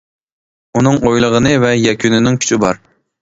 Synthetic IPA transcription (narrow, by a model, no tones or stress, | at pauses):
unɨŋojlˠəʁənɨvɛjɛkʲʰynɪnɪŋkʲʰy̥t͡ʃʰybɑɾ